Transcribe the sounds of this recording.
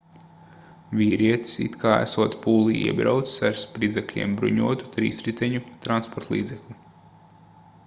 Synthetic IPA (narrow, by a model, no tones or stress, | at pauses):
vʲiːɾiɛt̪i̥sḭt̪kʰaːæ̰suɔt̪puːlˠiḭɛbɾa̰wt̪ssaɾspɾid̪zʲɛklʲḭɛmbɾṵɲuɔt̪u̥t̪ɾḭːsɾit̪ɛɲut̪ɾanspɔɾt̪lˠḭːd̪zɛklʲi